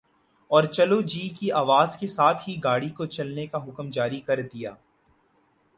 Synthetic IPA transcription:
ɔːɾt͡ʃɐlod͡ʒiːkiaːʋaːzkesaːt̪ʰɦiɡaːɽikot͡ʃɐlnekaɦʊkmd͡ʒaːɾikɐɾd̪ija̰ː

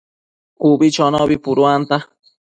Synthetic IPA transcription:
kubit͡ʃɔnɔbipuɾuant̪a

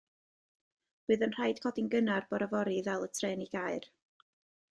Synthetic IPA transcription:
rɨːðənr̥ajd̥kʰɔdinɡənarb̥ɔɾavɔɾivɛlˠətʰrɛːniɡaɨr

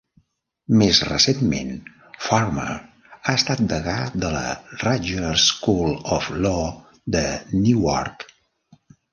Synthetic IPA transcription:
mezrə̰senmḛn | fɔrmə̰ | aəst̪at̪̚d̪əɣad̪ələ̰raʒəəskulɔflɔ | ðənuɔ̰rk

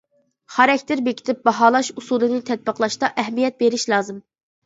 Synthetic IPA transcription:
χɑɾɛkʲt̪ʰɪɾbekʲi̥t̪ʰɪp̚bɑɦɑːlˠɑʃusulˠɨnɨt̪ʰɛt̪̚bəqlˠɑʃt̪ɑʔɛɦmijɛt̪̚beɾɪʃlˠɑːzɨm

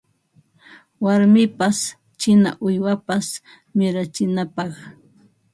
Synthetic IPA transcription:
waɾmɪpas | t͡ʃɪna̰ʔʊjwapas | mɪɾat͡ʃɪnapɑχ

